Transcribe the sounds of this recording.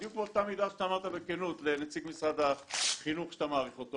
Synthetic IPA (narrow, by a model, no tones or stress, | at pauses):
juk̚boʃt̪amid̪aʃt̪aːmaʁt̪abekenut̪lenet͡siɡmisʁad̪aχinuχʃt̪amaːʁiχot̪o